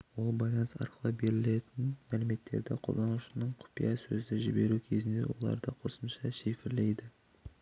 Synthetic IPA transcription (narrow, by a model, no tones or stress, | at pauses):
wo̞lˠbɑjlˠɑnsɑ̰ɾqəlˠəbe̞ɾɪle̞t̪ɪnmælɪme̞t̪ːe̞̰ɾd̪ɪqʰo̰d̪ˠɑnʊʃənəɴqʰʊ̥pijɑsɵzɪʒɪbe̞ɾukʲʰezɪnd̪e̞̰wo̞̰lˠɑ̰ɾd̪əqʰo̞səmʃɑʃefɪɾle̞jd̪ɪ